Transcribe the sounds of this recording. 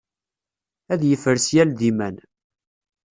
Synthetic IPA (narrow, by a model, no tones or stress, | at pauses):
æðjəfəɾsjælðimæn